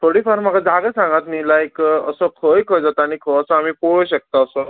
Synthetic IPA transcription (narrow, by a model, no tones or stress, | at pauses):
t̪ʰoɽifaɾmakad͡zaɡəsãŋɡat̪nilajkəsɔkʰəjkʰəd͡zat̪aaɽ̃ikʰəəsɔamiːpoɭoɕek̚t̪aːsɔ